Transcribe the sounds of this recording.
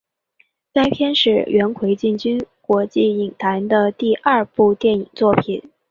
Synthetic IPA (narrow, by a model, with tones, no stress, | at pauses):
sa˥nɪpʰjɛ˥nʂɻ̩˥˩ɥʔɛ˧˥nkʰwe˧˥ɪt͡ɕi˥˩nt͡ɕy˥nkwɔ˧˥t͡ɕi˥˩i˨˩ŋt̪ʰa˧˥nd̪ə˧t̪i˥˧ʔɐ˥˧pu˥˧t̪jɛ˥˩ni˨˩ŋt͡swɔ˥˩pʰi˨˩˦n